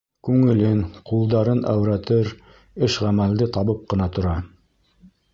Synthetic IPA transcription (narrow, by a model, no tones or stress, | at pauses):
kʉŋɘ̆lɘŋqulˠd̪ɑɾɤnʔæ̰wɾæt̪ɘɾ | ɘʃʁæmæld̪ɘt̪ɑβɤp̚qɤ̆nɑt̪ŏɾɑ